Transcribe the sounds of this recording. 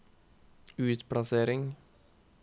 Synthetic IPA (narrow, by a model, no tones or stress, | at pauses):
ʉːt̪pʰɽɑseːɾɪŋ